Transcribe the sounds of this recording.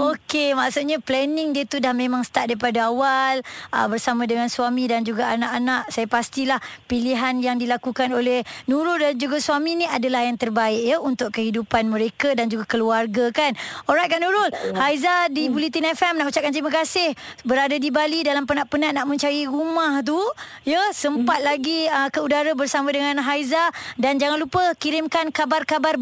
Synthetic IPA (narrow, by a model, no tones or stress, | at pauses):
okemaʔsut̪̚ɲaplɛnɪŋdiət̪udahmẽmãŋsə̥t̪aʔ̚daɾipadaawalə̰bərsamãdəŋansuamidand͡ʒuɡaanaʔanaʔsajapast̪ilahpiliɦanjaŋdilakukanolɛhnũɾʊldand͡ʒuɡasuaminiadalahjaŋt̪ərbaɪʔ̚jaunt̪ʊʔkəɦidupanmə̃ɾekadand͡ʒuɡakəluarɡakanɔɾajt̪̚kaʔnũɾʊlhajzadibulit̪inɛfɛmnaʔut͡ʃap̚kant̪̬ɾimakasɪhbəɾadadibalidalampənaʔpənaʔnaʔmə̃ɲt͡ʃajiɾumaht̪̬u | jəsəmpat̪̚laɡiəkəudaɾabərsamãdəŋãnɦajzadand͡ʒaŋanlupəkiɾɪmkankabarkabar